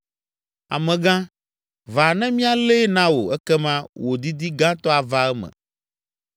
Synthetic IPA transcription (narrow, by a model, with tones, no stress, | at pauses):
a̰˨mɛ̃˨ɡã˦ | va˨nɛ̃˦mĩ˦a˨le˦nã˦wo̰˨ɛ˦kɛ˦mã˦wo˨d̪i˦d̪i˦ɡã˦t̪ɔ˦a˨va˦ɛ˦mɛ̰̃˨